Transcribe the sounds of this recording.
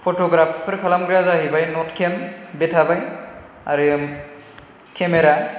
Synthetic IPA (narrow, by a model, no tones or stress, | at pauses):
pʰɔtɔɡɾappɾkʰalamɡɹazaɦibajnɔtkʰɛmbɛtʰabaj | aɹi | kʰɛmɛɾa